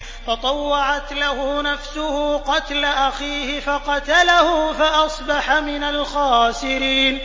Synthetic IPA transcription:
t̪ɑt̪ˤɑwːɑʕat̪lahʊnafsʊhʊqɑt̪laʔaxiːhɪfɑqɑt̪alahʊfaʔɑsˤbɑħamɪnalxaːsɪɾiːn

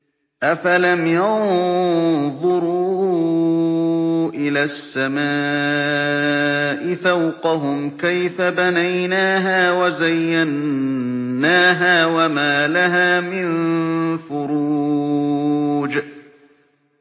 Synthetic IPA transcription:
ʔafalamjɑn | ðˤʊɾuː | ʔɪlaːsːamaː | ʔɪθawqɑɦʊmkajfabanajnaːɦaːwazajːanː | aːɦaːwamaːlaɦaːmɪnfʊɾuː | d͡ʒ

